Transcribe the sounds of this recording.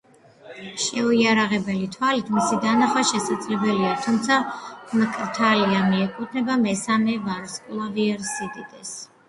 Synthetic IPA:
ʃɛɔiaɾaʁɛbɛlit̪ʰwalit̪ʰmisid̪anaχwaʃɛsad̪zlɛbɛliat̪ʰumt̪sʰamkʼɾt̪ʰaliamiɛkʼut̪ʰnɛbamɛsamɛvaɾskʼlˠaviɛɾsid̪id̪ɛs

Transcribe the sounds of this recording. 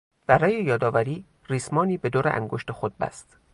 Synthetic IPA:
b̥æɾɒːjejɒːd̪ɒːvæɾiː | riːsmɒːniːbe̞d̪oːɾeʔæ̰ŋɡoʃt̪exod̪̚bæ̰st̪

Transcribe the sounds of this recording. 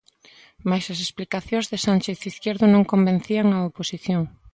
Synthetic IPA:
majsɐsesplikaθjõzðesanʲt͡ʃeθiθkjeɾðʊnõŋkombẽn̟θiaŋaoposiθjoŋ

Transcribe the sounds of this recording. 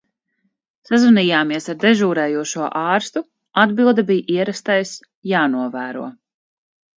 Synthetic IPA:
sazvuniːjaːmiɛsaɾd̪ɛʒuːɾɛːjuɔʃuɔʔɑːɾst̪u | ad̪bilˠd̪abijʔiɛɾast̪ajs | jaːnuɔvæːɾṵɔ

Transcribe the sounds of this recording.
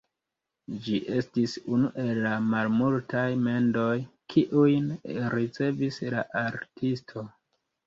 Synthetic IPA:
d͡ʒiʔe̞stisunuʔe̞lːamalmultʰajme̞ndo̞jkʰiʔujnɾit͡se̞visla̰ʔaɾtʰistʰo̞

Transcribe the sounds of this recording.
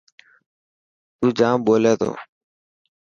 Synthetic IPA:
t̪uːd͡ʒãːmɓoːleːt̪ʰo̰ː

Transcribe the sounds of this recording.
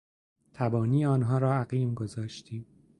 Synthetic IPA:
t̪ʰæbɒːniːeɒːnɦɒːɾɒːæɣiːmɡo̞zɒːʃt̪ʰiːm

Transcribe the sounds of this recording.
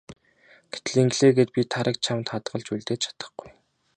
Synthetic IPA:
ɡ̥e̥t̪̆ɮiŋɡɮeːɡeːt̪̚pʲit̪ʰaɾə̆k̚t͡ɕʰamt̪χat̪ɢə̆ɮt͡ɕuɮt̪eːt͡ɕʰḁt̪ə̆χɡuj

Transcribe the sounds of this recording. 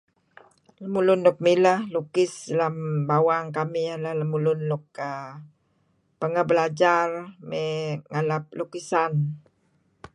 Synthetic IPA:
ləmulʊnlʊk̚miləhlukɪslambawaŋkamijalahləmulʊnlʊk̚ə | pəŋəbəlad͡ʒarmeŋalap̚lukisan

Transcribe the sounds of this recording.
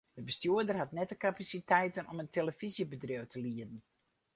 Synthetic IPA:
dəbəstjuədərɦatnɛtəkapasitɛjtənɔməntʰeləfizjəbədrowtʰəliədən̩

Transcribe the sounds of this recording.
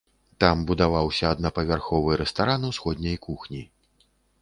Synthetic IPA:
t̪ambud̪avawsʲɐːd̪nɐpɐvʲarxɔvɨɾɛst̪aɾanwsxɔd̪ʲnʲɐjkuxnʲi

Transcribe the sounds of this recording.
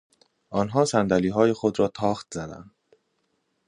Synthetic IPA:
ʔɒːnɦɒːsænd̪æliːɦɒːje̞xod̪ɾɒːt̪ʰɒːxt̪̚zæd̪æ̰nd̪

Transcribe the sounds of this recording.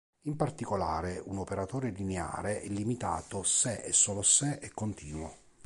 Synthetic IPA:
impart̪ikolaːɾeunopeɾat̪oːɾelinea̰ːɾeʔɛlːimit̪a̰ːt̪osɛʔɛ̰sːɔːlosɛʔɛkːont̪ʰiːnwo

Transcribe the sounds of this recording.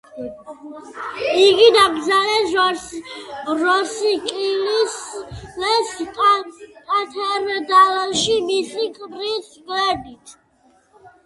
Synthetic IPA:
iɡid̪ab̪zalɛʒwaɾs | ɾɔsikʼilislɛsʼ | kʼat̪ʰɛɾd̪alʃimisikʼɾisɡlɛd̪it̪ʰ

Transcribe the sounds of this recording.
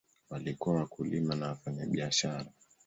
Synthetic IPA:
walikuawakulimanawafaɲaɓiaʃaɾa

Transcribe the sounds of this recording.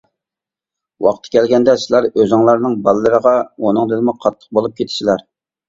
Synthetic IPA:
wɑ̰qt̪ʰːkʲʰɛlɡʲɛnd̪ɛsɨlˠɑɾøzɪŋlˠɑɾnɨŋbɑlˠɨːəɾəʁɑonɨŋd̪ɨd̪ɪmʊqʰɑt̪ʰːə̥q̚bolˠup̚kʲʰet̪ʰɪ̥ʃilæɾ

